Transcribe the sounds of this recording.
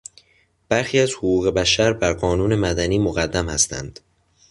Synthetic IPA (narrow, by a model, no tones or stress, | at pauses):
b̥æɾxiːæzhoɣuːɣe̞bæʃæɾbæɾɢɒːnuːne̞mæd̪æniːmoɣæd̪ːæmhæst̪ʰæ̰nd̪̥